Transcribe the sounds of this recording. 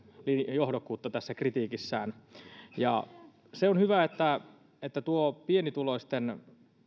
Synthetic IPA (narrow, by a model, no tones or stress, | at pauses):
linjohdokːˑuːt̪ːɑt̪æsːækrit̪iːkisːæːnjɑ̰ | seonhyʋæet̪ːæ | et̪ːæt̪uopienit̪uloist̪ːen